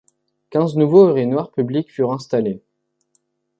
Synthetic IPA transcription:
kʲɛ̃znuvoʁenwaʁpyblikfyʁɛ̃st̪ale

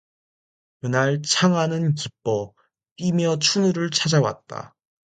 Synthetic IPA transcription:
kɯnaɭt͡ɕʰaŋɦanɯnk̬ip͈̚ʌ | p͈imjʌt͡ɕʰunɯɾɯɭt͡ɕʰad͡ʑawa̰t̚t͈a̰

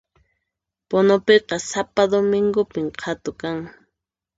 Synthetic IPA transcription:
ponopeqɑsapad̪omɪŋɡʊpɪmqʰat̪ʊkaŋ

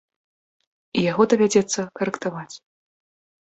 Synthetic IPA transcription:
ijaɣɔd̪ɐvʲad͡zʲɛt̪sːɐkɐɾɛkt̪avat͡sʲ

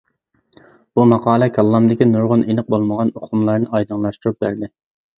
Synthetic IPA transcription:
b̥umɑqɑːlˠɛkʲʰɛlˠːɑmd̪ɪkʲinuɾʁʊnenɨq̚bolˠməʁɑnoqʰʊmlˠɑɾnɨʔɑjd̪ɨŋlˠɑʃt̪uɾup̚bæɾd̪ɪ

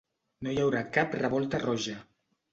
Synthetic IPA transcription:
nojawɾakaprəβɔlˠt̪ərɔʒa

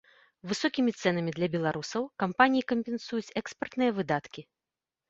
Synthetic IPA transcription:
vɨsɔkʲimʲit̪sɛn̪ɐmʲid̪lʲɐbʲɛlˠaɾusɐwkampanʲijikɐmʲpʲɛn̪sujut͡sʲɛkspɐrt̪nɨjɐvɨd̪at̪kʲi

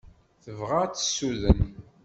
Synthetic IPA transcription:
θəvʁat͡sːə̥sːuðən

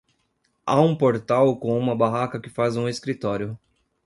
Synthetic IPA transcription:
a̰ũpoɾt̪awkõw̃ũmɐbaɦakɐkɪfazũeskɾit̪ɔɾjʊ

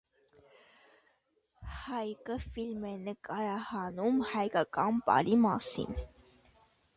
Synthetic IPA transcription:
hɑjkəfilmɛnəkɑɾɑhɑnumhɑjkɑkɑnpɑ̰ɾimɑ̰sḭn

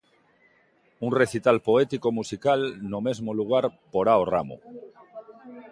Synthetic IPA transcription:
unreθit̪alpoet̪ikomusikalnome̞zmoluɣ̞aɾpoɾaora̰mo̰

